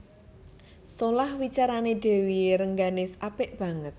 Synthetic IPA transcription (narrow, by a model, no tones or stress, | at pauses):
solahwit͡ʃaɾaneɖ̥e̤wiɾəŋɡanɪsapɪʔb̥ä̤ŋət̪̚